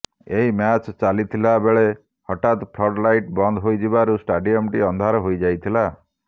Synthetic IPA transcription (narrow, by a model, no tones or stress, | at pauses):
eɦimjat͡ʃt͡ʃalit̪ʰilabeɭe | hɔʈat̪pʰlɔɖlajʈbɔnd̪ʱɦojd͡ʒibaɾusʈaɖiɔmʈiɔnd̪ʱaɾɔɦojd͡ʒajt̪ʰila